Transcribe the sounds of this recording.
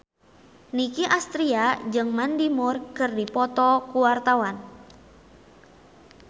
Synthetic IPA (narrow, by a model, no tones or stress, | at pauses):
nikiʔast̪ɾiad͡ʒɨŋmandimʊrkɨrdipɔt̪ɔkuwart̪awan